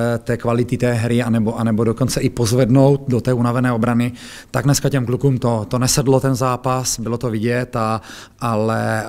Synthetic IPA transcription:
t̪ɛːkvalɪt̪ɪt̪ɛːɦɾɪanɛboʔanɛbodokont͡sɛʔɪpozvɛdnowt̪̚dot̪ɛːunavɛnɛːobɾanɪ | t̪aɡnɛskacɛmklukuːmt̪ot̪onɛsɛdlot̪ɛnzaːpasbɪlot̪ovɪɟɛt̪a | ʔalɛ

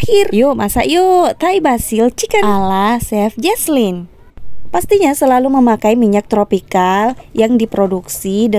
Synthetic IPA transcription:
irjomasa̰ʔjot̪aibasɪlt͡ʃikəlasɛfd͡ʒɛslin | past̪iɲasəlaluməmakaimiɲak̚t̪ɾopikaljaŋdipɾoduksid

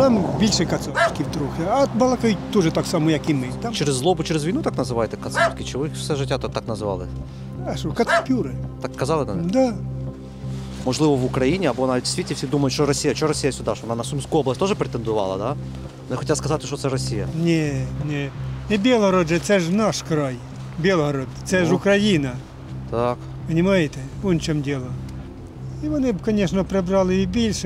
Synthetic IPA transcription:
t̪ambʲilʲʃɛkɐt̪sɔfkʲiwt̪ɾuxʲɛɐbɐlˠɐkɐjit̪uʐɛt̪aksamʊjɐkimɪt̪amt͡ʃeɾʲɪzːlˠobʊt͡ʃeɾʲɪzʋʲijnut̪aknɐzɨʋajɪt̪ɛkɐt̪sot̪ʲkʲɪt͡ʃɪʋɔfsʲɛʒɨtʲat̪ɔt̪aknɐzɨʋɑ̰lˠɨ | ɐʃokɐt̪spʲuɾɪt̪akskɐzɑlˠɨnɐd̪a | mɔʐlˠɨʋəʋʊkɾɐjinʲɪɐboɐnadʲsʲt̪ʲitʲɪfsʲid̪umɐjʊt̪ʃɔɾɐsʲijɐt͡ɕoɾɐsʲijəsʲʊd̪aʂɔɐnanɐsʊmskujoblˠɐsʲt̪oʐɨpɾʲɪt̪ənd̪ʊʋɑ̰lˠɐ̰d̪a | noxotʲat̪skɐzat̪ʲɪʃt̪ot̪sɛɾɐsʲijə̰nʲenʲenʲɪbʲelˠɦɐɾod̪ʐɛt̪sɛʐnaʂkɾaj | bʲelˠɦɐɾod̪t̪sɛʐʊkɾɐjinɐ | t̪ak | pənʲɪmajɪt̪ʲɪonʲt͡ɕomdʲelˠə | iʋɐnɪkɐnʲeʂnəpɾʲɪbɾalˠɪibʲilʲʂɪ

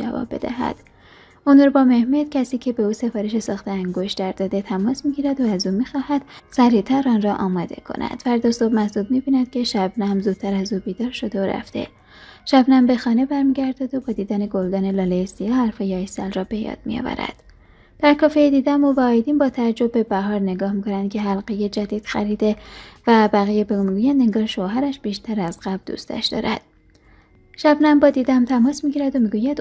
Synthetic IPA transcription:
d͡ʒæ̰vɒ̰ːbːe̞̰d̪æ̰ɦæ̰d̪̥ | unɾbɒːme̞hmet̪cʲʰæsiːcʰe̞be̞uːse̞fɒːɾeʃe̞sɒːxt̪ʰeæŋɡoʃt̪d̪æɾd̪ɒd̪e̞t̪ʰæmɒːsmiɟiːɾæd̪oæzuːmixɒːhæd̪̥sæɾiːt̪ʰæɾɒːnrɒʔɒːmɒːd̪e̞̰kʰo̞̰nʔæ̰d̪̥fæɾd̪ɒsobmæsd̪ud̪̚mibiːnæd̪̥̚cʲʰe̞ʃæbnæmzuːd̪̥̚t̪ʰæɾæzuːbiːd̪ɒːɾʃo̞d̪eoɾæ̰ft̪e̞̰ | ʃæbnæmbe̞xɒːne̞bæɾmiɟæɾd̪æd̪obɒːd̪iːd̪æne̞ɡold̪ɒːne̞lɒːlesijɒːhæɾfɒjeɒːjsælrɒːbe̞jɒ̰ːd̪̥̚mḭjɑ̰væ̰ɾæ̰d̪̥ | d̪̥æɾkʰɒːfejed̪iːd̪æmovæɒːjd̪iːnbɒːt̪ʰææd͡ʒːo̞b̚bːe̞bæɦɒːɾne̞ɡɒːhmiːkʰonænd̪̚cʰe̞ɦælɢeje̞d͡ʒæd̪iːd̪̥xæɾid̪e̞væbæɣijebemiɡuːjænd̪e̞ŋɡɒːɾʃoɦæɾæʃb̥iːʃt̪ʰæɾæzɢæbd̪ṵːst̪ʰæ̰ʃd̪ɒ̰ːɾʔæ̰d̪̥̚ | ʃæbnæmbɒːd̪iːd̪æmt̪ʰæmɒːsmiɟiːɾæd̪omiːɡuːjæd̪

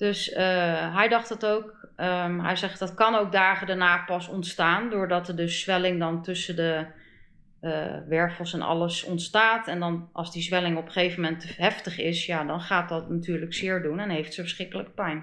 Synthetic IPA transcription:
d̥ɵsəɦɛjdɑχtɑtowk | əɦɛ̰jzɛχtdɑtkɑnowk̚daːχədaɹnaːpɑsɔntstaːndʊːɹdɑtəɹdɵsːʋɛlɪŋdɑntɵsəndə | ʋɛɹfəlˠsɛnɑ̰ləsɔntstaːtɛndɑnʔɑ̰lˠzdizʋɛlɪŋɔpə̥χejvəmɛntəɦɛftəχɪsjadɑnχaːt̚dɑtnatyːɹləksɪːɹdunɛnɦejftsəfəɹsχɪkələkəpɛjn

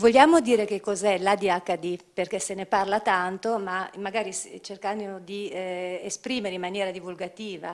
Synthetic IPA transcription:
voʎːjaːmod̪iːɾek̟ekːɔzɛlad̪iakːad̪iperkeseneparlat̪ant̪omamaɡaːɾist͡ʃerkanod̪iespɾiːmeɾeimːanjɛːɾad̪ivulɡat̪iːva

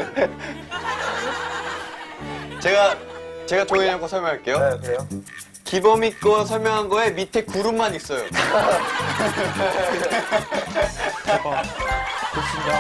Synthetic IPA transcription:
t͡ɕe̞ɡat͡ɕe̞ɡatoŋeɲaɡosʰʌɭmjʌŋɦaɭk͈e̞jokɾeo | kibʌmik͈ʌsʰʌɭmjʌŋɦanɡʌe̞mitʰe̞kuɾumːanis͈ʌjo̰ | koɕʰinda

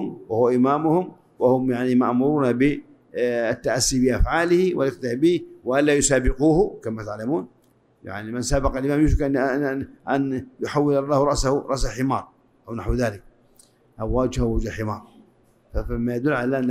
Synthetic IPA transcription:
mwahʊwaʔɪmaːmʊhʊm | wahʊmjaʕnimaʔmʊɾuːnabɪ | ɪt̪ːaʔasːibɪʔafʕaːlɪhɪwɪlʔɪkt̪ɪhbiwaʔalːaːjʊsaːbɪquːhʊkamat̪aʕlamuːn | ja̰ʕnimɪnsaːbɑqɑlʔɪmaːmjʊʃ̬ka | ʔanjʊħawːɪlɑlˤːɑːhɾˤɑʔsahʊɾˤɑʔsaħɪmɑ̰ːɾˤ | ʔawnaħwðaːlɪk | ʔawːaːd͡ʒhawad͡ʒalħɪmɑ̰ːɾˤ | famːajad̪ʊlːʕalaʔanː

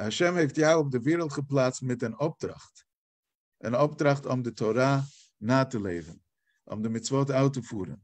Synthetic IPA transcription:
aʃɛmheɪftjaʊp̚dɪviːɾəl̩ˠχəplˠat͡smɪtɪnɔp̚tɾa̰χt | ɪ̰nɔptɾaχtɔmdɪtʰɔɾa | naːtəlˠeɪvn̩ | ɔ̰mdɪmɪt͡svɔt̬aʊtəfuːɾə̰n

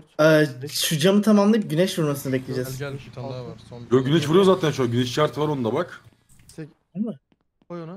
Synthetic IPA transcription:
ɛːt͡ʃʰud͡ʒamɯt̪ʰamamlˠɯp̚ɟynɛʃvuɾmasɯnɯbɛclʲed͡ʒɛz | joɟynɛʃvuɾujozaːt̪ʰænʃoɟynɛʃt͡ʃʰaɾt̪ʰɯvaɾo̞nud̪abak | ama

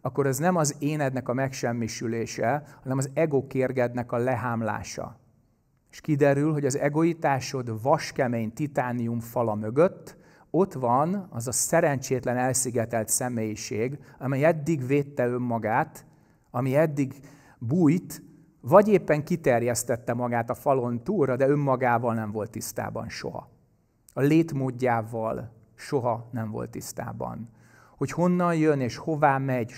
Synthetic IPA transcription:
ɒkːoɾɛznɛmɒzeːnɛd̪nɛkɒmɛkʃɛmːiʃyleːʃɛhɒnɛmɒzɛɡokeːrɡɛd̪nɛkɒlɛɦaːmla̰ːʃɒ̰ | eʃkid̪ɛɾylɦo̞ɟɒzɛɡo̞it̪aːʃo̞d̪vɒʃkɛmeːɲt̪it̪aːnːiumfɒlɒmø̞ɡø̞t̪ː | o̞t̪ʋɒnɒ̰zɒsɛɾɛɲt͡ʃeːt̪lɛnɛlsiɡɛt̪ɛlt̪sɛmeːjiʃeːɡɒmɛjɛd̪ːiɡveːt̪ːɛø̞mːɒɡaːt̪ | ɒmiɛd̪ːiɡ | buːjt̪ | vɒɟeːpːɛŋkit̪ɛrjɛst̪ɛt̪ːɛmɒɡaːt̪ɒfɒlo̞nt̪uːrɒd̪ɛø̞mːɒɡaːvɒlnɛɱvo̞lt̪ist̪a̰ːbɒ̰nʃo̞̰ɦɒ̰ | ɒleːt̪moːɟːaːvɒl | ʃo̞ɦɒnɛɱvo̞̰lt̪ist̪a̰ːbɒ̰n | ho̞cho̞nːɒnjøneːʃho̞vaːmɛɟ

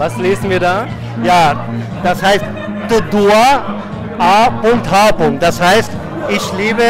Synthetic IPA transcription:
vasleːzn̩viːɐdaː | jaː | d̥ashaɪst | tudua | aːpʊŋk̚tɦaːpʊŋk̚t̚d̥ashaɪst | ɪçliːbə

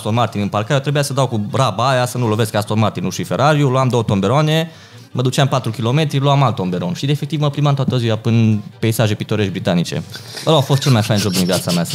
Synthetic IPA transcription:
st̪olmart̪inɨmparkaɾjot̪ɾe̞bujasəd̪awkurabaajasənulo̞veskast̪olmart̪inuʃife̞ɾaɾiuloamd̪o̞ot̪o̞mbe̞ɾoane̞ | məd̪ut͡ʃɪampat̪ɾukʲilo̞me̞t̪ɾiluamalt̪ːo̞mbe̞ɾo̞nʃid̪efe̞k̚t̪ivməplimamt̪oat̪əziwapɨnpejsaʒe̞pit̪o̞ɾeʃbɾit̪anit͡ʃḛəloafost̪̚t͡ʃe̞lmajfajnʒo̞b̚d̪invjat̪sameast̪a

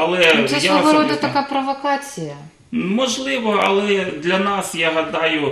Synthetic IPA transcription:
ɐlˠɛsjaɔʋɐɾɔd̪ɐt̪ɐkapɾɐʋɐkat͡sʲijɐ | mɔʐlˠɪʋɔɐ̰lˠɛd̪lʲɐnasjaɦɐd̪ajʊ

